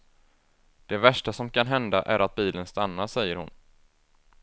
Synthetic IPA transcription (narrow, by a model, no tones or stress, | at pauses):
d̪̥ɛvæʂʈasɔmkʰanɦɛnd̪aʔæɾat̪̚biːlənst̪anːaʂɛjːəɾhʊn